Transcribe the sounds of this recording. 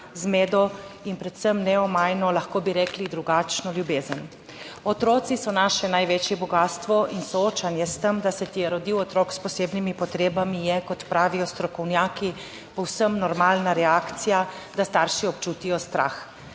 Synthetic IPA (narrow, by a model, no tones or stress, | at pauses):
zmeːd̪ɔinpɾɛt̪səmnɛɔmaːjnɔlaxkoːbiɾɛklid̪ɾuɡaːt͡ʃnɔljubeːzən | ɔt̪ɾɔːt̪sisɔnaʃɛnajʋeːt͡ʃjɛbɔɡaːst̪ʋɔʔinsɔoːt͡ʃanjɛst̪əmd̪asɛt̪ijɛɾɔd̪iwɔt̪ɾɔːkspɔseːbnimipɔt̪ɾeːbamijɛkɔt̪pɾaːʋijɔst̪ɾɔkɔwnjaːki | pɔwsəmnɔɾmaːlnaɾɛaːkt̪sija | d̪ast̪aɾʃiɔpt͡ʃuːt̪ijɔst̪ɾa̰ːx